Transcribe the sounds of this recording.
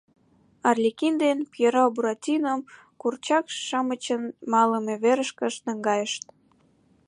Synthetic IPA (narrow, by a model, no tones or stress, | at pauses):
ɑrlʲikind̪enpjeɾobuɾɑtʲinəm | kurt͡ɕɑkʃʃɑmət͡ɕənmɑləmeβeɾəʃkə̆ʃnə̆ŋɡɑjəʃt̪